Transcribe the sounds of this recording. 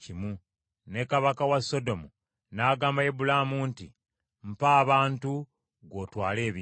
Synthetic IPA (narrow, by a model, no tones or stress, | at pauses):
cimwu | ne̞kaβakawasːo̞do̞mu | naːɡaːmbajebulamuntḭ | m̩paːβaːntu | ɡo̞ːtwaːle̞ːβji